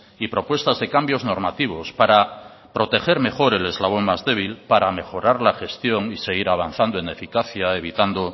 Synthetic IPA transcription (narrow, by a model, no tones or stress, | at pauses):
ipɾo̞pwe̞st̪azðe̞kambjo̞zno̞ɾmat̪iβ̞o̞spaɾa | pɾo̞t̪e̞xe̞ɾme̞xo̞ɾe̞le̞zlaβ̞o̞ŋmazðe̞β̞ilpaɾame̞xo̞ɾaɾlaxe̞st̪jo̞ŋise̞ɣiɾaβ̞an̟θand̪oene̞fikaθjae̞β̞it̪and̪o